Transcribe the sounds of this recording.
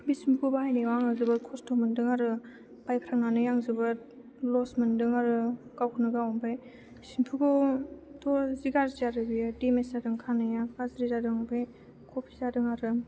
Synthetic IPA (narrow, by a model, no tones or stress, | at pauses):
bisimpʰɡubahajnewaŋɯzɯbɯɾkʰɔstʰomɯndɯŋaɾɯ | b̥ajpʰɾaŋnanɯjaŋzɯbɯt̚ | lɔsmɯndɯŋaɾɯɡ̥awkʰɯnɯɡawɔŋbɯj | sinpʰuɡɔtɔziɡaɾizaɾɯbijdemeszadɯŋkʰanɯjakazɾizadɯŋbɯj | kʰopʰizadɯŋaɾɯ